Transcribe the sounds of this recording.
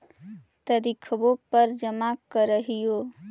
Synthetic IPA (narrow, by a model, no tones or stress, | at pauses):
t̪əɾikʰbopəɾd͡ʒəmakəɾəɦijo